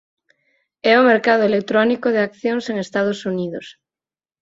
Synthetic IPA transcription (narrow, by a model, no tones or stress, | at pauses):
ɛomeɾkað̞oelek̚t̪ɾɔnikoðeakθjoŋseŋest̪að̞osuniðos